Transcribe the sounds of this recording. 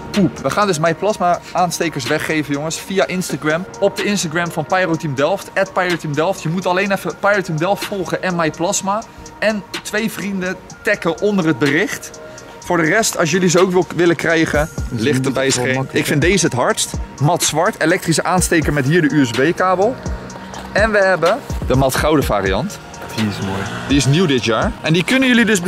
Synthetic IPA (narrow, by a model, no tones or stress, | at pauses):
pupʋəχaːndɵsmɛjplɑsmaʔaːnstejkəɹs̬ʋɛχejvəjʊŋəsfijaʔɪnstaɡrɛmɔp̚dəɪnstaɡrɛmvɑnpajrotimdɛlˠftɛt̚pɛjrotimdɛlˠftjəmutɑlejnɛfəpajotimdɛlˠftfɔlˠχənʔɛnmɛjplɑsma | ɛntʋejvrində | tɛkəʔɔndərɦəd̚bərɪχt | fʊːɹdərɛstɑls̬jɵlizəowkɪʋɪləkrɛjχəlɪχtəbɛjəseɪkfɪntdejzəətɦɑɹtstmɑtsʋɑɹtelɛk̚trisəʔaːnstejkəɹmɛtɦiːɹdəʔyɛzbejkaːbəlˠ | ɛnʋəɦɛbədəmɑtχɑwdəva̰ːɾiɑ̰nt | d̥iɪsmojd̥iɪsnuwdɪtjaːɹɛndikɵnəjɵlidɵs